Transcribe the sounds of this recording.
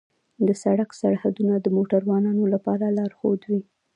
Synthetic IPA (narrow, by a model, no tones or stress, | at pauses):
d̪əsaɽaksaɽhad̪unad̪əmoʈaɾwɑnɑnolapɑɾalɑɾxod̪wi